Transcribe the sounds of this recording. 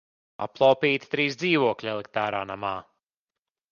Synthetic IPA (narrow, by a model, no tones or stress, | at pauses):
a̰plˠawpiːt̪i̥t̪ɾiːsd̪ziːvuɔklʲɛlˠek̚t̪aːɾaːnamaː